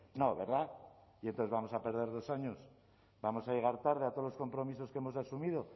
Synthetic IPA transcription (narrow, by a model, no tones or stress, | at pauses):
no̞βḛɾða | ient̪onθezβamo̞sape̞ɾðe̞ɾðo̞saɲo̞s | bamo̞saje̞ɣ̞aɾt̪aɾð̞eat̪olo̞sko̞mpɾo̞miso̞skeemo̞sasumiðo̞